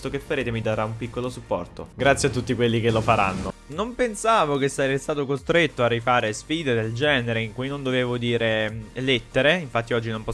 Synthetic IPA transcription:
t̪okefːaɾeːt̪emid̪aɾaumpikːolosupːɔ̰rt̪o̰ɡɾat̪sjeat̪ːut̪ːikwelːikelːofaɾa̰nːonompensaːvokesːaɛest̪aːt̪okost̪ɾet̪ːoarːifaːɾesfiːd̪ed̪eld͡ʒɛːneɾeiŋkujnond̪oveːvod̪iːɾelet̪ːeɾeiɱfat̪ːiɔd͡ʒːinompɔ

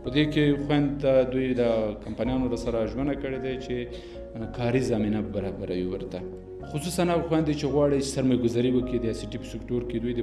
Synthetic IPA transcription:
pəd̪ekexwand̪ːad̪ujd̪əkampanjɑnolasaɾaʒwand̪akəɽed̪at͡ʃe | kɑɾizɑminabaɾɑbaɾawiwəɾt̪a | xʊsusanaɣxwand̪ːit͡ʃeɣwɑɽit͡ʃsaɾmajɡʊzɑɾiwəkid̪əɑjsiʈipə̥sɪkʈoɾked̪ujd̪ə

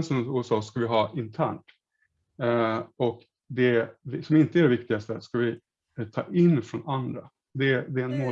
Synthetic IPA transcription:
nsɔmuːɛsɑːskavɪɦɑːɪnt̪ʰæ̰ːɳʈ | ɔk | d̪ɛsɔmɪnt̪əæɖɛvɪkt̪ɪɡast̪əskavɪ | t̪ʰɑ̰ːʔɪnːfɾɔnand̪ɾa | d̪ɛd̪ɛɛnmoː

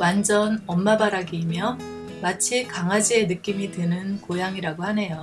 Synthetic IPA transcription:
wand͡ʑʌnʌmːabaɾaɡeimjʌ | mat͡ɕʰikaŋɦad͡ʑie̞nɯk͈imitɯnɯnkojaŋiɾaɡohane̞jo

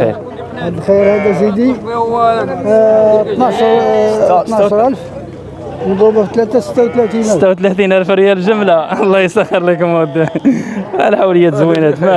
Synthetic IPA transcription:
ḭɾ | ʕad̪xijɾhæd̪æsid̪i | t̪nɑʃɾt̪nɑʕʃɾˤʔælf | nbubæft̪læt̪æsə̥t̪ːæwt̪læt̪inʔəæt̪ːæwt̪læt̪inʔælfɾəjælʒəmlalˤːɑjəsæxəɾləkmʊd̪ː | alæħawləjːat̪zwinæt̪mæ

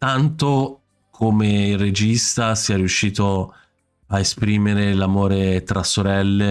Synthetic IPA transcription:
t̪ant̪o | kʰomeired͡ʒist̪asiɛriuʃːiːt̪o | aespɾiːmeɾelamoːɾet̪ɾasoɾɛlːe

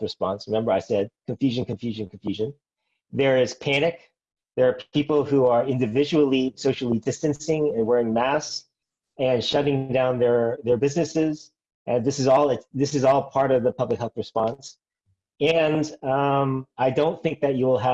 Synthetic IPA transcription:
ɹɨspɑ̃nsɹɨmɛ̃mbə˞aɪsɛd̚kʰɨ̃ɱfjʉʒɨ̃nkʰɨ̃ɱfjʉʒɨ̃nkʰɱfjʉʒɨ̃n | ðə˞ɪz̥pʰænɨk̚ | ðə˞ːipl̩ˠhuə˞ɪ̃ndɨvɪd͡ʒɨl̩ˠisoʊʃl̩ˠidɪstɨ̃nsɪ̃ŋɨ̃nwɛɹɪ̃ŋmæs | ɨ̃nʃʌɾɪ̃ŋdãʊ̃nðə˞ðə˞bɪznɨsɪz | ʔɨ̃nðɪsɨzɔlˠɪtðɪsɨzɔlˠpʰɑɹɾʌvðəpʰʌblɨkhɛlˠθɹɨspɑ̃ns | ɨ̃nʌ̃maɪdõʊ̃nθɪ̃ŋk̚ðɨt͡ʃɨwɪlˠə

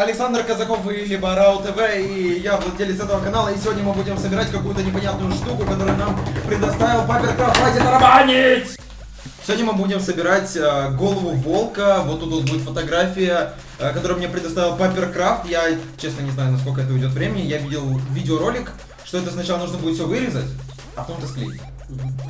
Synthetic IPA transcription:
ɐlʲɪksand̪rkəzɐko̞filʲibəɾaʊt̪əvɛijavdʲelʲɪsɛt̪əvəkɐnalˠəisʲɪvʲodʲnʲəmɨbudʲɪmsəbʲɪɾatʲkɐkujʊt̪ənʲɪpɐnʲat̪̚nʊjʊʂt̪ukʊkɐt̪o̞ɾɨjnampɾʲɪd̪ɐst̪avʲɪlˠpapʲɪrkɾaft̪adʲɪnɾɐmanʲɪtʲ | sʲɪvodʲnʲəmɨbudʲɪmsəbʲɪɾatʲəɡo̞lˠəvʊvo̞lˠkəvot̪ːut̪vot̪budʲɪt̪fət̪ɐɡɾafʲɪjə | kɐt̪o̞ɾɨəmnʲepɾʲɪd̪ɐst̪avʲɪlˠpɐpʲɪrkɾaft̪jat͡ɕːesnənʲɪznajʊnɐskok̬əɛt̪əɪdʲot̪vɾʲemʲɪnʲɪjavʲidʲɪlˠvʲidʲɪoɾo̞lʲɪk | ʂt̪o̞ɛt̪əsnɐt͡ɕalˠənuʐnəbudʲɪt̪fʲsʲovɨɾʲɪzətʲ | ɐpɐt̪omt̪əsklʲḭ | m̩ɦ̩

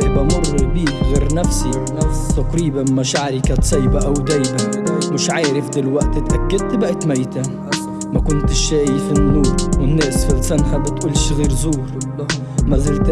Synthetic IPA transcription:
bamʊrˤːɑbiːkɣeːɾnafsi | t̪aqɾiːbanmaʃaʕɾikaːt̪sˤɑjbaʔawd̪æːjbanmɪʃʕaːɾɪfd̪ɪlwaʔt̪t̪ʔakːad̪̚t̪baʔɪt̪majːt̪a | makʊnt̪ɪʃːaːʔjfinːuːɾwɪnːeːsfilsanhabɪt̪ʔuːlʃɣiːɾzuːɾ | mazɪlt̪

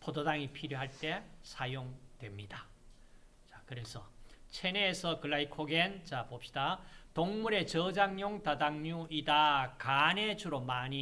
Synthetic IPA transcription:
pʰododaŋipʰiɾjoɦaɭt͈e̞sʰajoŋdwe̞mɲida | t͡ɕakɯɾe̞sʰʌ̰t͡ɕʰe̞neːsʰʌkɯɭːaikʰoɡent͡ɕapop̚ɕi̥datoŋmuɾe̞t͡ɕʌd͡ʑaŋɲjoŋtadaŋɲuidakane̞d͡ʑuɾomaɲi

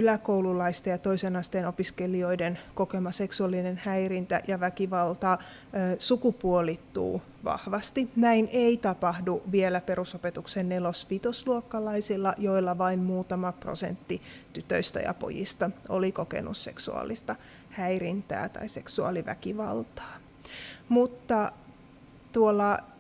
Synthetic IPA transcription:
ylækoululɑist̪ɑjɑt̪o̞isenɑst̪enopiskelio̞idenko̞kemɑseksuɑlːinenhæirint̪æ̰jɑʋækiʋɑlt̪ɑː | sukupuolit̪ːṵː | ʋɑ̰hʋɑst̪inæinʔeit̪ɑpɑhduʋielæpeɾusopet̪uksenːelospit̪osluokːɑlɑisilːɑjo̞ilːɑʋɑimmuːt̪ɑmɑpro̰sḛnt̪ːit̪yt̪ø̰ist̪æ̰jɑ̰po̰jḭst̪ɑo̰likokḛnṵsse̞̰ksṵɑ̰lːist̪ɑ | hæirint̪æ̰ːt̪ɑ̰ise̞ksuɑ̰liʋæ̰kiʋɑ̰lt̪ɑ̥ː | mut̪ːɑ | t̪uolːɑ

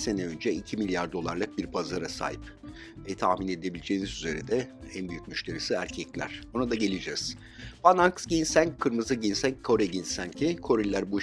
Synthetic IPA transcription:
se̞nɛø̞nd͡ʒɛicʰimilʲjaɾd̪o̞lˠaɾlˠɯk̚biɾpʰazaɾasa̰ːjip | vɛt̪ʰaxmine̞d̪ebilʲid͡ʒe̞ːnizyze̞ɾid̪ɛænbyjyc̚myʃt̪ʲe̞ɾisiæɾcʰɛclʲæ̰ɾ̥onad̪aɟe̞lʲid͡ʒɛz̥ | bananksɟinsænkʰːɯɾmɯzɯɟinsænkʰo̞ɾɛɟinsæncʰikʰo̞ɾilʲæɾbu

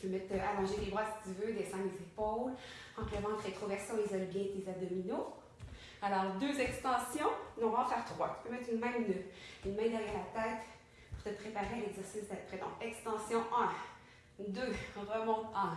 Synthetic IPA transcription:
pømɛt̪amɑ̃ʒelebʁwasi̥t̪yvød̪ɛsɑ̃lezepɔl | ɑ̃kləvɑ̃t̪ʁet̪χɔvɛʁsjɔ̃lezɔlbjɛ̃klezad̪ɔmino | alɔːʁd̪øzɛkst̪ɑ̃sjɔ̃nɔ̃vãfɛʁt̪χwat̪y̥pømɛt̪χynmɛ̃nøynmɛ̃d̪əʁjɛlat̪ɛt̪ | pu̥ʁt̪əpχepaʁeɛ̃nɛɡzɛʁsɪsd̪apχɛd̪ɔ̃kɛkst̪ɑ̃sjɔ̃ɛ̃ | d̪ø̃ʁəmɔ̃t̪ɛ̃

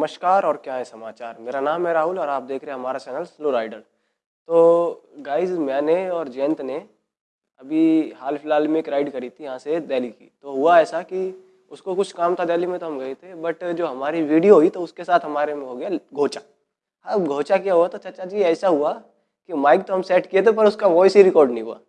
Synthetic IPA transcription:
nməʃkaːɾɔːɾkjaːɦɛsɐmaːt͡ʃaːɾmeːɾanaːmɦɛɾaːɦʊlɔːɾaːp̚d̪eːkʰɾeɦẽɦɐmaːɾat͡ʃɛːnəlsloɾaːɪɖən | t̪oːɡaːɪzmɛːneɔːɾd͡ʒɛːnt̪ne | ɐbʱiɦaːlpʰɪlaːlmẽekɾaːɪɖkɐɾiːt̪ʰijɐɦãsed̪ɛːlikḭːt̪oɦʊaɛːsaki | ʊskokʊt͡ʃʰkaːmt̪ʰad̪ɛːlimẽt̪oɦɐmɡɐet̪ʰebɐʈd͡ʒoːɦɐmaːɾiʋiːɖijoɦoit̪oʊskesaːt̪ʰɦɐmaːɾemẽɦoːɡɐjaɡʱoːt͡ʃa | ãɡʱoːt͡ʃakijaɦuat̪ot͡ʃɐtːt͡ʃad͡ʒiɛːsaɦʊa | kimaːɪk̚t̪oɦɐmseːʈkiet̪ʰep̬ɐɾʊskaʋɔːisiɾɪkɔːɾɖnɐ̃ɦĩɦua̰ː

